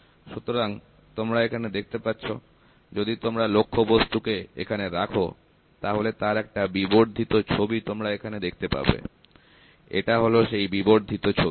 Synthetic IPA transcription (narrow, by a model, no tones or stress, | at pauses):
ʃut̪oɾaŋ | t̪omɾaekʰaned̪ek̚ʰt̪epatːɕʰo | d͡ʑod̪it̪omɾalokʰːobost̪ukeḛkʰaneɾakʰo̰ | t̪aɦolet̪aɾɛk̚ʈabiboɾd̪ʱit̪ot͡ɕʰobit̪omɾaekʰaned̪ek̚ʰt̪epa̰bḛ | ḛʈaɦoloʃejbiboɾd̪ʱit̪ot͡ɕʰoi